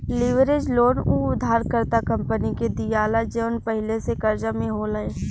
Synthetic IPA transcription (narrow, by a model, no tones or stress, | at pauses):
lɪʋɾed͡ʒloːɽuʊd̪ʱːaːɾkəɾt̪akɐ̃mpəniked̪ijaːlad͡ʒeʋənpəɦɪlesekɐɾd͡ʒamẽɦoləeː